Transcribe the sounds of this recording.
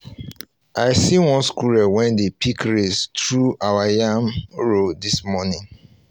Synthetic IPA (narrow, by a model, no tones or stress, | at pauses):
ʔaɪsiwɔ̃nskuɹɛwɛ̃ndepʰikɹestɹuʔawajamɹodismɔnĩŋ